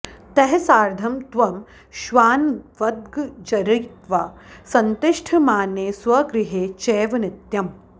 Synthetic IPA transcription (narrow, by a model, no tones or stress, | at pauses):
t̪ɐɦɛsaːɾd̪ʱɐmt̪ʋɐm | ʃʋaːnʋɐd̪̚ɡd͡ʒɐɾijt̪ʋasɐnt̪ɪʂʈʰɐmaːneːsʋɐɡɾɪɦeːt͡ʃeːʋɐnɪt̪jɐm